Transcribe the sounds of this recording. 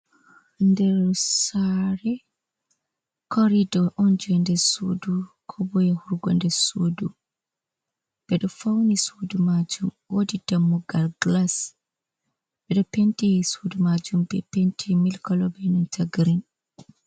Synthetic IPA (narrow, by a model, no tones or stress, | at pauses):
ndɛɾsaɾɛ | kʰɔɾidɔʔɔnd͡ʒuɛndɛsṵdukʰɔbɔjɛhuɾɡɔ̰ndɛsudu | b̥ɛɗɔfawnisudumad͡ʒumwodidamːuɡalɡlas | bɛɗɔpɛntesudumad͡ʒumbɛpɛntʰɛmilkɔlɔbɛnɔntʰaɡɾin